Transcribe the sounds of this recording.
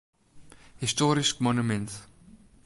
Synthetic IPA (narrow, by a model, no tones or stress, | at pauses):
histɔːɾiskmɔnumɛ̃nt